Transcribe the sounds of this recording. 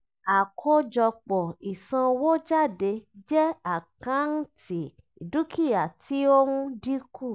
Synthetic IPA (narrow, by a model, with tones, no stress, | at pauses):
a˨kʰo˧d͡ʒɔ˧k͡pɔ˨i˨sã˧wo˦d͡ʒa˦˨de˧d͡ʒɛ˦a˦˨kã˨˦n̩˦tʰi˨ | i˨du˦ki˦˨ja˨tʰi˨˦o˦nũ˦di˦ku˦˨